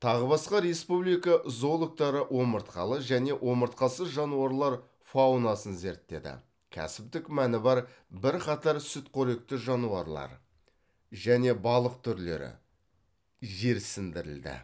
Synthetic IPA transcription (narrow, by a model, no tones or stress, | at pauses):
t̪ʰɑʁəbɑsqɑɾe̞spublijkɑzo̞lˠok̚t̪ɑɾəʔwo̞məɾt̪qʰɑ̰lˠəʒæne̞wʔo̞məɾt̪̚qɑsəsʒɑnuɑɾlˠɑɾ | fawnɑsənze̞ɾt̪ːe̞̰d̪ɪ̰ | kʲʰæ̰sɪp̚t̪ɪkmænɪbɑɾ | bɪɾqʰɑt̪ɑɾsʏt̪qʰoɾe̞k̚t̪ɪʒɑnuɑɾlˠɑ̰ɾ | ʒæne̞bɑlˠəq̚t̪ʰʏɾle̞̰ɾɪ̰ | ʒe̞ɾsɪnd̪ɪɾɪ̰ld̪ɪ̰